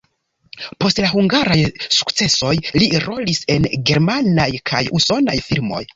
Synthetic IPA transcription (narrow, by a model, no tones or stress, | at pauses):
po̞stlahuŋɡaɾajsu̥kt͡se̞so̞jliɾo̞lise̞nɡe̞ɾmanajkʰajuso̞na̰jfilmo̞̰j